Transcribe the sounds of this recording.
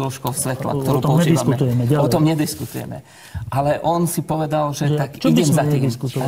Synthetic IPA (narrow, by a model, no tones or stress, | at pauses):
ɔlʃkɔʊfsʋɛt̪la̰kt̪ɔɾuːt̪pɔɲɛd̪iaskut̪ujɛmɛɟalɔɛt̪ɔmɲɛd̪iskut̪ujɛ̰mɛ̰ | ʔalɛʔɔnsipɔʋɛd̪alʒɛt̪akt͡ʃɔibɟɛmzat̪iiskut̪ɔ